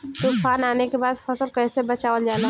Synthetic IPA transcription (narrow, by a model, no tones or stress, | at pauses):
t̪ʊfʰaːnaːnekebaːd̪fɐsəlkɛːsebɐt͡ʃaːʋəld͡ʒaːla